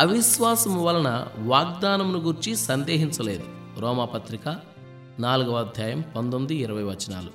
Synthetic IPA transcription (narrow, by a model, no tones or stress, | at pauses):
ɐʋiʃʋaːsɐmʋɐlɐnɐ̰ʋaːɡd̪aːnɐmnuɡuɾt͡ʃisɐnd̪eːɦiɲt͡ʃɐle̞ːd̪u | ɾɔːmapɐt̪ɾika | naːluɡɐʋaːd̪ʱjaːjɐmpɐnd̪omd̪iːɾɐʋɐjʋɐt͡ʃːɐna̰ːlu